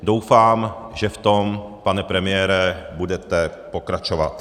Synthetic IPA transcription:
do̞wfaːmʒɛft̪ompanɛpɾɛmɪjɛːɾɛbudɛt̪ɛpo̞kɾat͡ʃo̞va̰t̪

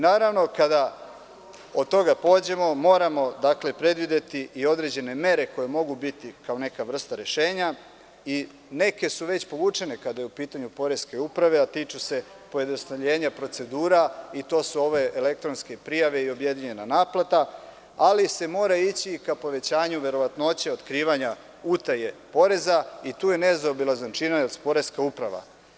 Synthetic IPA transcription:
inaːɾaʋno̞kad̪a | od̪̚t̪o̞ɡapo̞ːd͡ʑe̞mo̞mo̞ːɾamo̞d̪akle̞pɾe̞d̪ʋid̪e̞t̪iio̞d̪ɾe̞d͡ʑe̞ne̞me̞ɾe̞ko̞je̞mo̞ɡubit̪ikao̞ne̞kaʋr̩st̪aɾe̞ʃe̞ːɲa | i | ne̞ke̞suʋe̞t͡ɕpo̞ʋuːt͡ʂe̞ne̞kad̪ajeupiːt̪aɲupo̞ɾe̞ske̞upɾaʋe̞at̪iːt͡ʃuse̞ | po̞je̞d̪nost̪aʎe̞ːɲapɾo̞t̪se̞d̪uːɾait̪o̞ːsuo̞ʋe̞ele̞k̚t̪ɾo̞nske̞pɾijaʋe̞io̞bje̞d̪iɲenanaːplˠat̪a | alise̞mo̞ːɾait͡ɕikapo̞ʋe̞t͡ɕaːɲuʋe̞ɾo̞ʋat̪noot͡ɕeot̪kɾiːʋaɲa | ut̪aje̞po̞ɾe̞zait̪uːjenezaobilazant͡ʃinajelsu̥po̞ɾe̞skaupɾaʋa̰

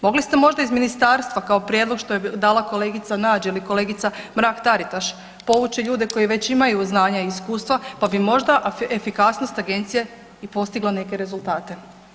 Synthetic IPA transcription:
mo̞ɡlist̪e̞mo̞ʒd̪aizminist̪aːɾst̪ʋakao̞pɾje̞d̪lˠo̞ɡʃt̪o̞jed̪aːlˠako̞le̞ːɡit̪sanaːd͡ʒeliko̞le̞ːɡit̪samɾaːkt̪aɾit̪aʃ | po̞ʋut͡ɕeʎuːd̪e̞ko̞jiʋe̞t͡ɕimajuznaːɲaiiskuːst̪ʋapabimo̞ʒd̪aʔefikasnost̪aɡe̞nt̪sije | ipo̞st̪iɡlane̞ke̞ɾe̞zulˠt̪aːt̪e̞

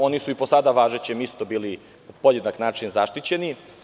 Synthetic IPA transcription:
o̞nisuiposad̪aʋaːʒet͡ɕemist̪obiːli | po̞jed̪naknaːt͡ʂinzaʃt̪it͡ɕe̞ni

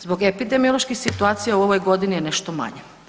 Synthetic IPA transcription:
zbo̞ɡepid̪e̞mio̞lˠoʃkixsit̪uaːt̪sijauo̞ʋo̞jɡo̞d̪inijeneʃt̪oma̰ɲe

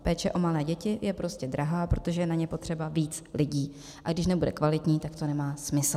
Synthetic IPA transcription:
pɛːt͡ʃɛʔo̞malɛːɟɛcɪjɛpɾo̞scɛdɾaɦaːpɾo̞t̪o̞ʒɛjɛnaɲɛpo̞t̪r̝̥ɛbaviːt͡slɪɟiː | ʔaɡdɪʃnɛbudɛkvalɪt̪ɲiːt̪akt̪o̞nɛmaːsmɪsl̩

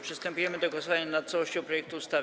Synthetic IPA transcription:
pʂɨst̪ɛmpujɛmɘd̪ɔɡɔsɔvaɲanat̪t̪sawɔɕt͡ɕɔ̃wpɾɔjɛk̚t̪uːst̪a

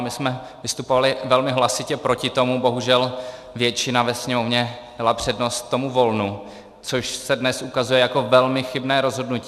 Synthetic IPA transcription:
mɪsmɛ | vɪst̪upovalɪvɛlmɪɦlasɪcɛpɾo̞cɪt̪o̞mubo̞ɦuʒɛl | vjɛt͡ʃɪnavɛsɲɛmo̞vɲɛdalapr̝̥ɛdno̞st̪̚ːo̞muvo̞lnu | t͡soʃsɛdnɛsʔukazujɛjako̞vɛlmɪxɪbnɛːɾo̞zɦo̞dnuci

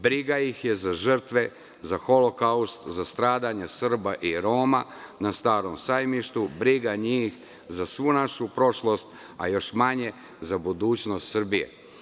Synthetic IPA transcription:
bɾiɡajixjezaʒr̩t̪ʋe̞ | zaxo̞lo̞kaust̪zast̪ɾaːd̪aɲesr̩baʔiɾo̞ːmanast̪aːɾo̞msajmiʃt̪ubɾiɡaɲiːx | zasʋunaʃupɾo̞ʃlo̞st̪ | a̰jo̞ʃmaɲe̞ | zabud̪uːt͡ɕno̞st̪sr̩bije̞̰

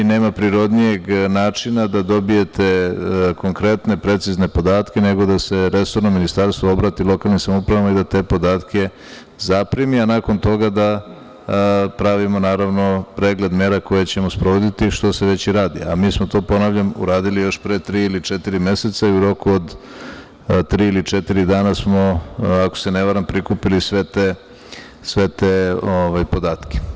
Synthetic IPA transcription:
ineːmapɾiɾo̞d̪nije̞ɡnaːt͡ʂinad̪ad̪o̞bije̞t̪e̞ko̞ŋkɾe̞t̪ne̞pɾe̞t̪sizne̞po̞d̪aːt̪kʲe̞ne̞ɡo̞d̪ase̞ɾe̞so̞ɾnominist̪aɾst̪ʋoobɾaːt̪ilˠo̞kalnimsamoupɾaʋamaid̪at̪e̞ːpo̞d̪aːt̪kʰʲe̞ | zapɾimianako̞nt̪o̞ɡad̪a | pɾaʋimo̞naːɾaʋno̞pɾeːɡle̞d̪me̞ːɾako̞jet͡ɕe̞mospɾoʋod̪it̪iʃt̪oseʋe̞t͡ɕiɾaːd̪iamiːsmo̞t̪o̞ːpo̞naʋʎamṵɾaːd̪ilijo̞ʃpɾet̪ɾiːilit͡ʂet̪iɾime̞se̞t̪saiuɾo̞kuod̪ | t̪ɾiːilit͡ʂet̪iɾid̪aːnasmo̞ako̥se̞neʋaɾampɾikupilisʋet̪e | sʋe̞t̪eoʋajpo̞d̪aːt̪kʲe̥

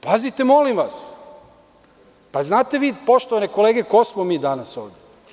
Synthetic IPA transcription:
pazit̪e̞mo̞limʋas | paznaːt̪e̞ʋiːpo̞ʃt̪oʋaneko̞leːɡe̞kosmomiːd̪anaso̰ːʋd̪ʲe

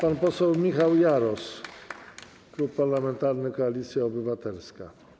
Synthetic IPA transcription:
panpɔsɛwmʲixawjaɾɔs | kɾupːaɾlamɛnt̪aɾnɘkɔalʲit̪sʲjaɔbɘvat̪ɛlska

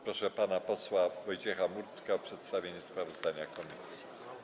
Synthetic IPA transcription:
pɾɔʂɛpanapɔswavɔjt͡ɕɛxamuɾt̪skaɔpʂɛt̪st̪avʲjeɲuspɾavɔzd̪aɲakɔmʲisʲji

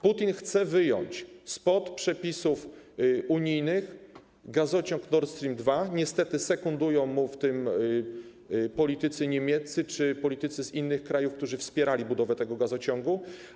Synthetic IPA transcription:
put̪ʲinxt̪sɛvɘjɔ̰ɲt͡ɕspɔt̪pʂɛpʲisufuɲijnɘx | ɡazɔt͡ɕɔŋknɔɾt̪st̪ɾʲimd̪vaɲɛst̪ɛt̪ɘsɛkund̪ujɔ̃w̃muft̪ɘm | pɔlʲit̪ɘt̪sɘɲemʲjɛt̪sɘt͡ʂɘpɔlʲit̪ɘt̪sɘzinːɘxkɾajufkt̪uʐɘfspʲjɛɾalʲibud̪ɔvɛt̪ɛɡɔɡazɔt͡ɕɔŋɡu

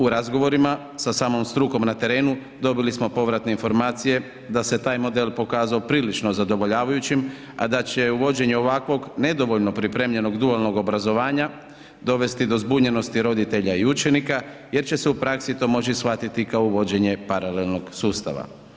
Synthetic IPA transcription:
uɾazɡo̞ʋo̞ɾima | sasaːmo̞mst̪ɾuːko̞mnat̪e̞ɾe̞ːnu | d̪o̞bilismo̞po̞ʋɾat̪neinfo̞ɾmaːt̪sije̞ | d̪ase̞t̪aːjmo̞d̪e̞lˠpo̞kaːzaopɾiːlit͡ʃno̞zad̪o̞ʋo̞ʎaːʋajut͡ɕim | ad̪at͡ɕe̞uʋo̞d͡ʑe̞ɲeo̞ʋakʋo̞ɡne̞d̪o̞ʋo̞ʎno̞pɾipɾe̞ːmʎe̞no̞ɡd̪ualˠno̞ɡo̞bɾazo̞ʋaːɲa | d̪o̞ʋe̞st̪id̪o̞zbuɲe̞no̞st̪iɾo̞d̪it̪e̞ʎaiut͡ʃe̞nikaje̞ɾt͡ɕe̞seupɾaksit̪o̞mo̞t͡ɕisxʋat̪it̪ikaouʋo̞d͡ʑe̞ɲe̞paɾale̞lno̞ɡsuːst̪a̰ʋa̰

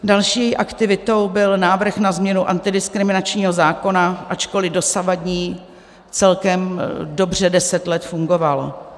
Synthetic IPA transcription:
dalʃiːʔakt̪ɪvɪt̪o̞wbɪlnaːvr̩xnazmɲɛnuʔa̰nt̪ɪdɪskɾɪmɪnat͡ʃɲiːɦo̞zaːko̞naʔat͡ʃko̞lɪdo̞savadɲiː | t͡sɛlkɛmdo̞br̝ɛdɛsɛt̪lɛt̪fuŋɡo̞val

